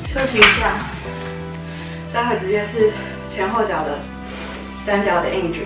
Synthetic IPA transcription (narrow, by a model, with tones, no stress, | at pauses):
t͡ɕʰɤ˥t͡ɕʰi˧˥ŋ˧˥ɕja˥˩ | t̪a˥˧xwe˥˩ɪʈ͡ʂɻ̩˧˥t͡ɕjɛ˥˧nʂɻ̩˥˩ | t͡ɕʰjɛ˧˥nxo˥˩ʊt͡ɕjɑ˨˩ʊd̪ə˦ | ʈ͡ʂa˥nt͡ɕjɑ˨˩ʊd̪ə˧ʔi˥˩nʈ͡ʂ̩˨˩